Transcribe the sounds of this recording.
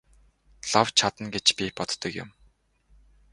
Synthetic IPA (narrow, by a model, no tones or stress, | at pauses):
ɮawt͡ɕʰat̪ə̆nɡet͡ɕpʲipɔt̪ːə̆kjʊ̰m